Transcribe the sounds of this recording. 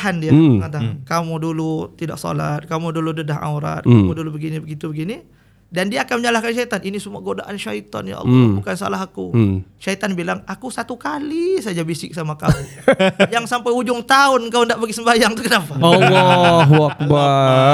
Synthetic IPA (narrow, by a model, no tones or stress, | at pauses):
ɦandiaŋat̪akamudulut̪ida̰ʔsɔ̰lat̪̚kamuduludədaɦa̰uɾa̰t̪̚kamudulubəɡinibəɡit̪ubəɡini | dandiaːkanməɲalahkanʃait̪anʔinisəmuaɡodaʔanʃait̪ɔ̰nja̰ʔɑ̰lːbukansa̰laɦakuʃait̪anbilaŋakusat̪ukalisad͡ʒabisɪk̚samakamujaŋsampajud͡ʒʊŋt̪aʊnkaundaʔbaɡisəmbajaŋt̪ukənapaɔlːɔɦak̚ba